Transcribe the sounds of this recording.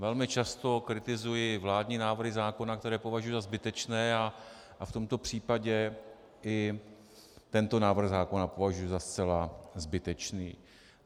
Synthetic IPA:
vɛlmɪt͡ʃast̪o̞kɾɪt̪ɪzujɪvlaːdɲiːnaːvr̩ɦɪzaːko̞nakt̪ɛɾɛːpo̞vaʒujuzazbɪt̪ɛt͡ʃnɛːa | ʔaft̪o̞mt̪o̞pr̥iːpaɟɛ | ɪ | t̪ɛnt̪o̞naːvr̩ɣzaːko̞napovaʒujuzast͡sɛlazbɪt̪ɛt͡ʃniː

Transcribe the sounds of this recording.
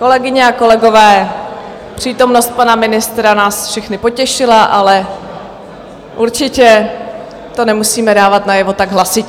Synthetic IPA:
ko̞lɛɡɪɲɛako̞lɛɡo̞vɛː | pr̝̥iːt̪o̞mno̞st̪̚panamɪnɪst̪ɾanaːsfʃɛxnɪpo̞cɛʃɪlaʔalɛ | ʔuɾt͡ʃɪcɛ | t̪o̞nɛmusiːmɛdaːvat̪najɛvo̞t̪aɡɦlasɪc

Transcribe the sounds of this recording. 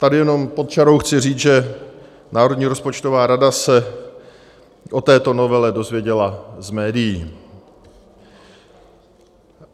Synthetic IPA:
t̪adɪjɛno̞mpo̞t̪̚t͡ʃaɾo̞wxt͡sɪriːt͡sʒɛ | naːɾo̞dɲiːɾo̞spot͡ʃt̪o̞vaːɾadasɛ | ʔo̞t̪ɛːt̪o̞no̞vɛlɛdo̞zvjɛɟɛlazmɛːdɪjiː

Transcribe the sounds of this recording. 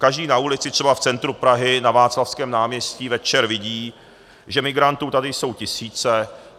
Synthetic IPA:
kaʒdiːnaulɪt͡sɪt̪r̝̥ɛbaftt͡sɛnt̪ɾupɾaɦɪnavaːt͡slafskɛːmnaːmɲɛscivɛt͡ʃɛɾvɪɟiː | ʒɛmɪɡɾant̪uːt̪adɪjso̞wcɪsiːt͡sɛ

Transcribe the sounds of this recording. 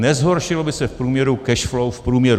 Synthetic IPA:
nɛzɦoɾʃɪlobɪsɛfpɾuːmɲɛɾukɛʃflowfpɾuːmɲɛɾu

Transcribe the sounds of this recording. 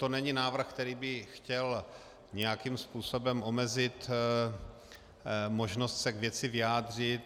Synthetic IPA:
t̪onɛɲɪnaːvr̩xkt̪ɛɾiːbɪxcɛl | ɲɛjakimspuːsobɛmʔomɛzɪt̪ | mo̞ʒnost̪sɛɡvjɛt͡sɪvɪaːd̪r̝ɪt̪

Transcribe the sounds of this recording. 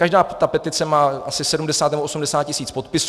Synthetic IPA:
kaʒdaːt̪apɛt̪ɪt͡sɛmaːʔasɪsɛdumdɛsaːt̪nɛmboosumdɛsaːt̪̚cɪsiːt͡spo̞t̪pɪs

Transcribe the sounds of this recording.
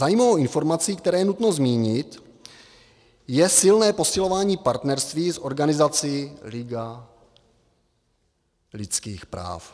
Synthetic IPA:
zajimovowʔɪnfo̞ɾmat͡siːk̚t̪ɛɾɛːjɛnut̪no̞zmiːɲɪt̪ | jɛsɪlnɛːpo̞sɪlo̞vaːɲiːpaɾt̪nɛɾst̪viːsʔo̞ɾɡanɪzat͡sɪlɪɡa | lɪt̪t͡skiːxpɾa̰ːf

